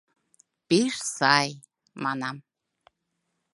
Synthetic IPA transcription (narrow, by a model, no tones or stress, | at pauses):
peʃsɑj | mɑnɑm